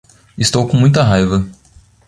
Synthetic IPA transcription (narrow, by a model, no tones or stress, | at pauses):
ist̪owkõmũj̃t̪ɐɦajvɐ